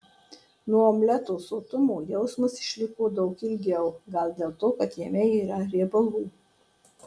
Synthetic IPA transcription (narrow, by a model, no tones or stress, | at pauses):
nuɔomʲlʲɛt̪oːsoːt̪ʊmuːjɛʊsmʊsɪ̥ʃʲlʲɪkoːd̪ɒʊkɪlʲɡʲɛʊɡɐlʲˠd̪ʲeːlˠt̪oːkɐt̪jiɛmʲɛiːɾɐɾʲebɐlˠuː